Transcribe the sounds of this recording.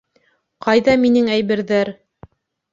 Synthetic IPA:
qɑjðɑminɘŋæjβɘ̆ɾðæɾ

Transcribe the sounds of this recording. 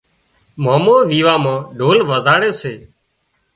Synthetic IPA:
maːmoːʋiːʋaːmãːɖʱoːlʋəzaːɽeːseː

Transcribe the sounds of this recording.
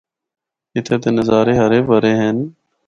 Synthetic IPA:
kɪt̪ʰeːt̪eːnəzaːɾeːɦəɾeːbəɾeːɦeːn

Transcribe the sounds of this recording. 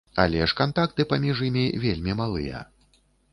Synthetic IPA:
a̰lʲɛʂkant̪akt̪ɨpamʲiʐjimʲivʲelʲmʲimalˠɨ̰jɐ̰

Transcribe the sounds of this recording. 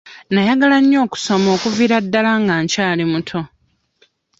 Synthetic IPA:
najaɡalaɲːo̞ːku̥so̞mo̞ːkuviɾadːalaŋɡaːɲcaːlimutʰo̞

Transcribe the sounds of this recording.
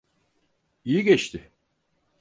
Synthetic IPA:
ijiɟɛt͡ʃt̪ʰɪ

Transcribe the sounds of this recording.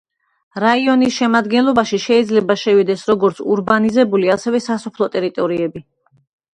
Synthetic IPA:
ɾaiɔnisʃɛmad̪ɡɛnlˠɔbaʃiʃɛid̪zlɛbaʃɛvid̪ɛsɾɔɡɔɾt̪sʰuɾbanizɛbuliasɛvɛsasɔpʰlˠɔt̪ʼɛɾit̪ʼɔɾiɛbi

